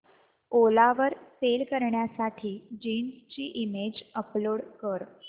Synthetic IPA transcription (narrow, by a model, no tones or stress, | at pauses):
olaʋəɾselkəɾɳjasaʈʰiːd͡ʑinst͡ɕiːʔimed͡ʑəploɽkəɾ